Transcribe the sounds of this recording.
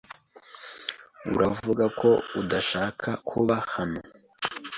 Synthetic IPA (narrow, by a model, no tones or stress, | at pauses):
ṵɾʔavuɡakʰo̞udaʃaːkʰakʰuβahano